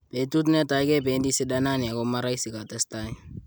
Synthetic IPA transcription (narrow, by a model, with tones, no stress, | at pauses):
pe˨tu˦t̬nɛ˦ta˨jkɛ˦pe˨ndi˦sɪ˦da˦na˦ni˨a˨koma˦ɾa˦isi˨ka˨tɛstaj